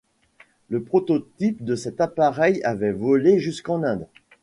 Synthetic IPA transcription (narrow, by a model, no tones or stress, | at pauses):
ləpχɔt̪ot̪ip̚d̪əsɛt̪apaʁɛjavɛvɔleʒyskɑ̃nɛ̃d̪